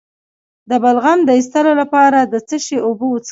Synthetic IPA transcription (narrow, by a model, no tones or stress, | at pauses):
d̪əbalɣand̪əist̪əlolapɑɾad̪ət͡səʃeʔobot͡s